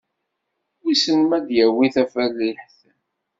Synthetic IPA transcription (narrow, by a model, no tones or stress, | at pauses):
wisənmæd̪jæwiθæfælːiħθ